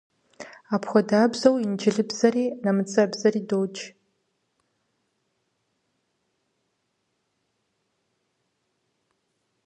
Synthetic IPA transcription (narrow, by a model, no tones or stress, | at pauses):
apʰxʷadaːbzowind͡ʒɪɮɨbzariːnamɨt͡sʼabzariːdowt͡ʃʰʼ